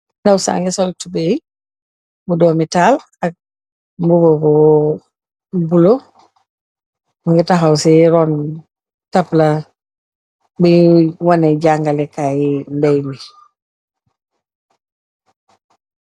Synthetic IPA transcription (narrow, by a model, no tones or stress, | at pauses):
nawsa̰ːŋɡisɔltubej | budɔːmitaːl | ak̚ | mbubobɔ | bulo | ŋɡitaɦawsiɾɔn | tapla | biwanɛɟaŋɡalɛkaːjindɛjmi